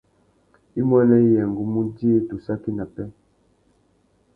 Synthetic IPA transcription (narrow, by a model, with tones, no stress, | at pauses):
i˦mwɛ˦nɛ˦i˦jɛ˨ŋ˨ɡu˦mu˦ndi˦e˦to˨sa˦ki˦na˨pɛ˦